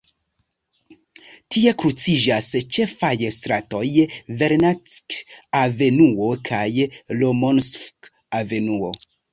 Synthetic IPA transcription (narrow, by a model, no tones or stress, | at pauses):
tie̞kɾut͡sid͡ʒast͡ʃe̞fajstɾato̞jve̞ɾnat͡skave̞nuokʰajlomonsfk | ave̞nuo̞̰